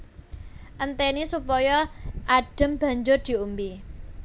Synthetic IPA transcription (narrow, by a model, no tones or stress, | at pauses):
ʔənt̪enisupɔjɔaɖ̥ə̤mb̥a̤ɲd͡ʒʊrd̪̥i̤umbi